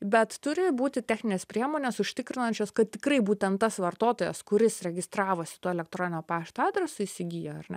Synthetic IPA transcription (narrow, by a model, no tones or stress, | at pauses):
bʲɛt̪t̪ʊɾʲɪbuːt̪ʲɪtʲæːxʲnʲɪnʲeːspʲɾʲiɛmoːnʲeːsʊʃʲt̪ʲɪkɾʲɪnɐnʲt͡ʃʲoːskɐttʲɪkɾɐɪbuːt̪ʲɛnt̪ːɐsʋɐrt̪oːt̪oːjɛskʊɾʲɪsɾʲɛɡʲɪst̪ɾɑːʋoːsʲɪ̥t̪oːɛlʲɛk̚t̪ɾoːnʲɪnʲoːpɑːʃʲt̪oɑːd̪ʲɾʲɛsʊiːsʲɪɡʲiːjoɐrnʲɛ̰